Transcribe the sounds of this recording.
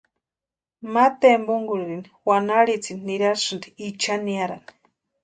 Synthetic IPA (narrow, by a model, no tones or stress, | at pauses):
mat̪embuŋɡuɾiɾiniwanaɽit͡sininiɾaɾsɨnd̪iit͡ʃaniaɾa̰ni̥